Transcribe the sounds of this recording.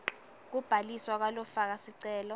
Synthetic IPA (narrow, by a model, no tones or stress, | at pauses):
k̬ub̥ʱaliswak̬walɔfak̬asiǀɛːlɔ